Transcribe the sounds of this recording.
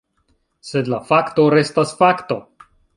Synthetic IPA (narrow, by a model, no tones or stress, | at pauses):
se̞dlafakto̞ɾe̞stasfakto̞